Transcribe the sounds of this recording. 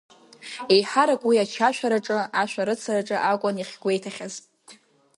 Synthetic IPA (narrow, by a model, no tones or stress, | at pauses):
ejħaɾakʼwiat͡ʃʰaʃᶣʷaɾaʈ͡ʂʼɨaʃʷᶣaɾɨt͡sʰaɾaʈ͡ʂʼɨʔakʷʼʊniχʲɡʷe̞jtʰaχʲaz